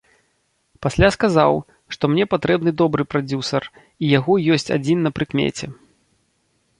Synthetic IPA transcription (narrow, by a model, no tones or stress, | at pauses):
pasʲlʲaskazaw | ʂt̪ɔmnʲɛpat̪ɾɛbnɨd̪ɔbɾɨpɾad͡zʲusɐr | ijaɣɔjɔsʲt͡sʲa̰d͡zʲinːɐpɾɨkmʲɛ̰t͡sʲɛ